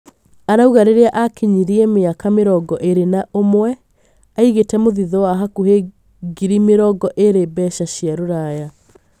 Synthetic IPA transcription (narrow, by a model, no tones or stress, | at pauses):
aɾauɣaɾeɾeaʔakiɲiɾiɛmeakameɾɔɡɔʔeɾenaomwɛ | aiɣetɛmoðiðɔwaɦakuɦe | ɡiɾimeɾɔɡɔʔeɾebɛʃaɕiaɾoɾaja